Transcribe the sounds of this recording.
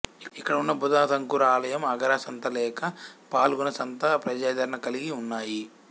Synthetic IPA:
iikːɐɽɐunːɐbud̪aːt̪ɐŋkuɾaːlɐjɐmɐɡɐɾaːsɐnt̪ɐlɛːkɐpaːlɡunɐsɐnt̪ɐpɾɐd͡ʒaːd̪ɐɾɐɳɐkɐliɡiunːaːji

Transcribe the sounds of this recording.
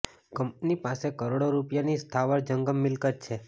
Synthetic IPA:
kəmp̚nipasekəɾoɽoɾupjanist̪ʰaʋəɾd͡ʒəŋɡəmːɪlkət̪̚t͡ʃʰe

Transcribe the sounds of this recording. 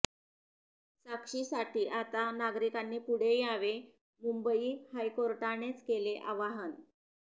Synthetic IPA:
sakʂiːsaʈʰiːʔat̪anaɡɾikanːiːpuɽ̤ejaʋe | mumbəiːhajkoɾʈaɽ̃et͡skeleʔaʋaɦən

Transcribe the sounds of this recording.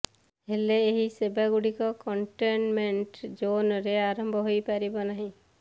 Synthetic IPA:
ɦeleːɦisebaɡuɽikɔkɔɳʈenmẽɳʈd͡ʒoːnɾeaːɾə̃mbʱɦoipaɾibɔnaɦĩ

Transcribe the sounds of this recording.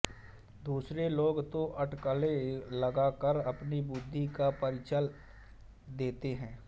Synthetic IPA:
d̪uːsɾeloːɡt̪oʔɐʈkəlelɐɡakəɾɐpnibʊd̪ʱːikapɐɾɪt͡ʃəl | d̪eːt̪eɦɛ̃ː

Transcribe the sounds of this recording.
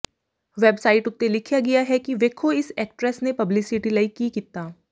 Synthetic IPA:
ʋeːbsaːɪʈʊt̪ːelɪkʰjaɡijaɦɛkiʋeːkʰoɪsɛːk̚ʈɾɛsnepɐblɪsɪʈilaːɪkːikit̪aː

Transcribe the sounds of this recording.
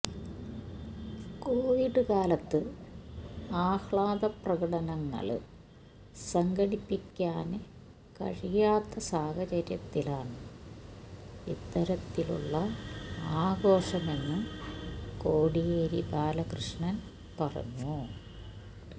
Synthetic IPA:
ko̞ːʋiɖɨkaːlɐt̪ːɨ | aːxɭaːðɐprɐkɐɽɐnɐŋːɐ̰ɭ | sɐŋɡɐɽipːikʲːaːnɨ | kɐ̰ɻijaːt̪ːɐsaːhɐt͡ɕɐɾjɐt̪ːilaːɳɨ | it̪ːɐɾɐt̪ːilṵɭːɐaːɡo̞ːɕɐme̞nːɨ | ko̞ːɽijeːɾibaːlɐkrɨʂɳɐn | pɐrɐ̰ɲːu

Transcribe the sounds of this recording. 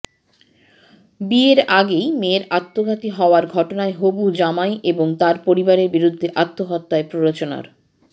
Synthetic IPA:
bieɾaɡejmeɾat̪ːoɡʱat̪iɦɔoaɾɡʱɔʈonaeɦobud͡ʑamajʔeboŋt̪aɾpoɾibaɾeɾbiɾud̪ʱːeʔat̪ːoɦɔt̪ːaepɾoɾot͡ɕona̰ɾ

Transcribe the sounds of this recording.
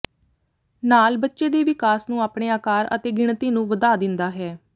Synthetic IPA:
naːlbətːʃeːd̪eːʋɪkaːsnũːaːpɳeːaːkaːɾə̰t̪eːɡɪɳt̪iːnũːʋəd̪aːd̪ɪnd̪aːɦɛː

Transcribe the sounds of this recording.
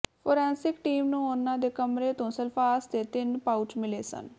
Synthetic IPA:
pʰoːɾɛ̃ːnsɪkʈiːmnũːʊnːãːd̪eːkəmɾeːt̪õːsəlpʰaːst̪eːt̪ɪnpaːʊʈmɪleːsə̰n

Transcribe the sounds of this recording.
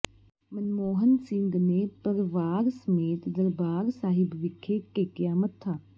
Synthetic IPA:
mɐnmoːɦənsɪ̃ŋɡnepəɾʋaːɾsəmeːt̪d̪ɐɾbaːɾsaːɦɪbʋɪkʰːeekəjaːmət̪t̪ʰːaː

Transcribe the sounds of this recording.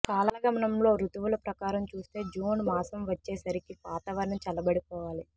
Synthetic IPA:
kaːlaɐɡɐmɐnɐmlo̞ːɾut̪uʋulɐpɾɐkaːɾɐmt͡ʃuːst̪e̞ːd͡ʒuːnmaːsɐmʋɐt͡ʃːe̞ːsɐɾikipaːt̪aːʋɐɾɳɐmt͡ʃɐlɐbɐɽipɔːʋaːli

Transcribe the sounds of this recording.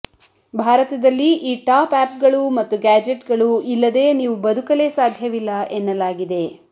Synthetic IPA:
bʱaːɾɐt̪ɐd̪ɐlːiiːʈaːpæːpɡɐɭumɐt̪ːuɡaːd͡ʒeʈɡɐɭuilːɐd̪e̞ːniːʋubɐd̪ukɐle̞saːd̪ʱjɐʋilːɐʔenːɐlaːɡid̪e̞

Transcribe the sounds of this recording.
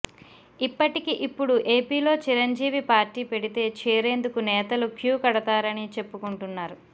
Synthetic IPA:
ipːɐʈikiʔipːuɽuʔe̞ːpiːlo̞ːt͡ʃiɾɐɲd͡ʒiːʋipaːɾʈiːpe̞ɽit̪e̞ːt͡ʃɛːɾe̞ːnd̪ukunɛːt̪ɐlukjuːkɐɽɐt̪aːɾɐnit͡ʃe̞pːukuɳʈunːaːɾu

